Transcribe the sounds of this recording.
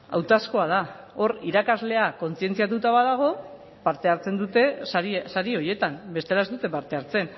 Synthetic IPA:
a̰wt̪asko̞að̞a | o̞ɾiɾakazle̞ako̞nt͡sie̞nt͡siat̪̬ut̪aβaðaɣ̞o̞ | paɾt̪e̞aɾt͡se̞nd̪ut̪e̞saɾio̞je̞t̪ambe̞st̪e̞lae̞zd̪ut̪e̞paɾt̪e̞aɾt͡se̞n

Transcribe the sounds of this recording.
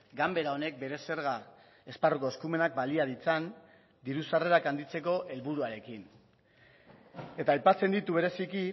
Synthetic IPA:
ɡambe̞ɾao̞ne̞k̚be̞ɾe̞se̞ɾɣ̞a | e̞sparuko̞eskume̞nak̚baliað̞it͡san | d̪iɾusare̞ɾakand̪it͡se̞ko̞ʔe̞lβuɾuaɾe̞kin | e̞t̪aːjpat͡se̞nd̪it̪uβe̞ɾe̞siki

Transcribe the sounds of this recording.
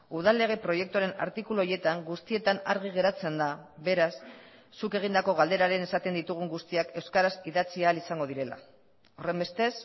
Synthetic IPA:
uð̞alːe̞ɣ̞e̞pɾo̞je̞k̚t̪uaɾe̞na̰ɾt̪ikuluoje̞t̪aŋɡust̪ie̞t̪anaɾɣ̞iɣ̞e̞ɾat͡se̞nd̪aβe̞ɾasː | uke̞ɣ̞ind̪ako̞ɣald̪e̞ɾaɾe̞ne̞sat̪e̞nd̪it̪uɣ̞uŋɡust̪iake̞wskaɾasiðat͡siaːlisaŋɡo̞ðiɾe̞la̰ | o̞re̞mbe̞st̪e̞s

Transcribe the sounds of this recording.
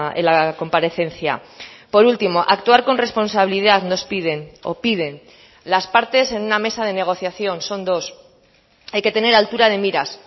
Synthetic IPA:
ḛlako̞mpaɾe̞θe̞n̟θja̰po̞ɾult̪imo̞ʔakt̪uaɾko̞nre̞spo̞nsaβiliðaðno̞spiðe̞no̞̰pið̞e̞n | laspaɾt̪e̞se̞nuname̞sað̞e̞ne̞ɣ̞o̞θjaθjo̞nso̞nd̪o̞s | ajke̞t̪e̞ne̞ɾalt̪uɾað̞e̞miɾas

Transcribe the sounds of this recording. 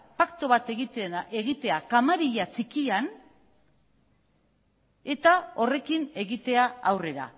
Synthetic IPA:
pakt̪o̞βat̪eɣieɣit̪e̞akamaɾiʎat͡sikian | e̞t̪ao̞re̞kine̞ɣit̪e̞aawre̞ɾa̰

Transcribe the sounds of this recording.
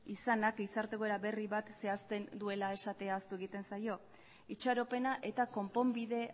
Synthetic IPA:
isanakisaɾt̪e̞ko̞eɾaβe̞riβat̪se̞ast̪e̞nd̪ue̞lae̞sat̪e̞aːst̪ue̞ɣ̞it̪e̞nsajo̞ | it͡ʃaɾo̞pe̞naʔe̞t̪ako̞mpo̞mbiðe̞

